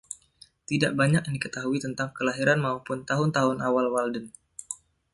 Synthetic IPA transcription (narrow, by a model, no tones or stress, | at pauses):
t̪idaʔbaɲak̚nikət̪aɦuit̪ənt̪aŋkəlaɦiɾanmaupʊnt̪aɦʊnt̪aɦʊnawalwaldən